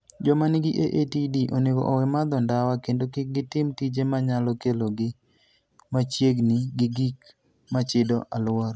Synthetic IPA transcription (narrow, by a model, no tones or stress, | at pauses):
d͡ʒɔmanɪɡɪʔeʔetidiʔoneɡɔ̰ʔɔwɛmad̪ɔndawakendokɪk̚ɡɪtɪmtid͡ʒemaɲalɔkeloɡɪ | mat͡ʃjeɡniɡɪɡik | mat͡ʃɪdɔʔalwɔɾ